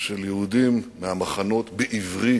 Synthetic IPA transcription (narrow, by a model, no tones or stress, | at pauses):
ʃeljeud̪imːehamaχano̞t̪beʔivʁi